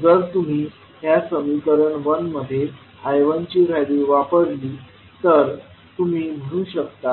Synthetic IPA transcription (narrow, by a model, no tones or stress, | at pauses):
d͡zəɾt̪um̤iː | ɦjasəmikəɾəɳʋənməd̪ʱːje | hajʋənt͡ɕiːɾajɽiʋapəɾliː | t̪əɾ | t̪um̤iːm̤əɽ̃ũːɕək̚t̪a